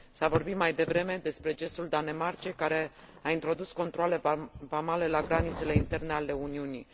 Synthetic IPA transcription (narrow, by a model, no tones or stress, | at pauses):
savo̞rbit̪majd̪e̞vɾe̞me̞d̪e̞spɾe̞d͡ʒe̞st̪uld̪ane̞mart͡ʃekaɾe̞ | aint̪ɾo̞d̪usko̞nt̪ɾoale̞bamale̞laɡɾanit̪se̞le̞int̪e̞rne̞ale̞uniuni